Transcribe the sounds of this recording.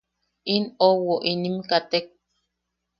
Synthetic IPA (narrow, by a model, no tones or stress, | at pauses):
inowoʔinimkat̪ek̚